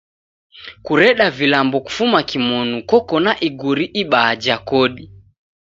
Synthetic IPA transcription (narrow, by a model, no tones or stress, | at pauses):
kuɾɛɗavilambɔku̥fumakimɔnukɔkɔnaʔiɡuɾiʔiɓaːd͡ʒakɔɗi